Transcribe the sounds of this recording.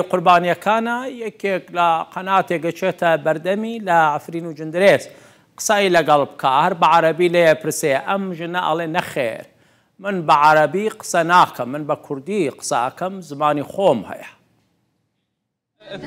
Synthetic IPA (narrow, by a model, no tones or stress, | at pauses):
iqʊɾbaːnijɐkʰaːnɐjɐkʰeklɐqɐnaːt̪eːɡɐt͡ʃʰeːt̪ʰɐbɐɾd̪ɐmiːlɐʕɪfɾiːnud͡ʒɨnd̪ɾeːz | qɨ̥sailɐɡɐlbkʰaːhɐɾbaʕaɾɐbiːlejepʰɨɾsejʔɐmʒɨnɐʔɐ̰lˠeːnɐxḛːɾ | mɨnbaʕaɾɐbiqɨ̥sɐnaːkʰɐmːɨnbɐkʰʊɾd̪iːqɨ̥sa̰ʔɐ̰kɐmzɨmaːnixoːmhɐ̰jɐ